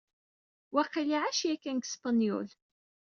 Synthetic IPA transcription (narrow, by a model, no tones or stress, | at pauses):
wæqːəjʕaʃjækːænɡspanjṵl